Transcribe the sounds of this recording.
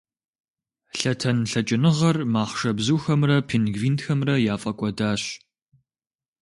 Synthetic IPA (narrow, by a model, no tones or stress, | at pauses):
ɬɐtʰɐnɬɐt͡ʃʼɪnɨʁɐrmaːχʂɐbzuːxɐmrɐpʰinɡviːntxɐmrɐjaːfʼɐkʷʼɔdaːɕ